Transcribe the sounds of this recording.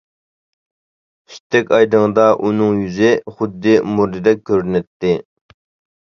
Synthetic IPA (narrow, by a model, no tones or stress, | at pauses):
ʃi̥t̪ʰːɛkʲɑjd̪əŋd̪ɑʔunɨŋjyzɪχʊd̪ːɪmuɾd̪ɨd̪ɛk̚ʲkʲʰːøɾnɛt̪ːɪ